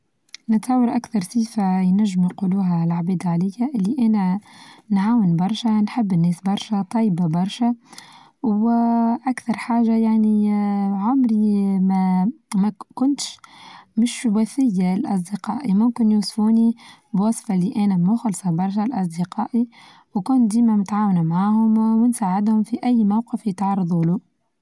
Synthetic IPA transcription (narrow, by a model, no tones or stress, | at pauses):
nɪt̪ɑwːəɾʔakθɑɾˤsiːfajnæʒːɪmnquːluːɦælʕbiːd̪ʕalɪjːaʔɪlːiʔæːnænʕaːwənbɑɾˤʃænħɪbːɪnːɛːsbɑɾˤʃæt̪ˤɑjbabɑɾˤʃa | wʔakθɑɾˤħaːʒajaʕniʕʊmɾimæmækʊnt̪ʃmɪʃwæθɪjːalʔɑsˤd̪əqɑːʔimʊmkɪnjusfuːnibwɑsˤfɑliʔæːnæmuxʊlsˤɑbɑɾˤʃ̬alʔɑs̬ˤd̪əqɑːʔi | wkʊnd̪iːmæmʊt̪ʕaːwnamʕaːhʊmwɪnsaːʕɪd̪hʊmfiʔæjːmawqəfjət̪ʕɑrˤːɑðˤuluːʔ